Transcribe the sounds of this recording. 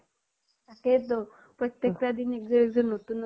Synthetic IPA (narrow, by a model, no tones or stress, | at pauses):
aket̪ɔ | pɾɔt̪jekt̪ad̪inek̚d͡zɔɾek̚d͡zɔɾnot̪uːn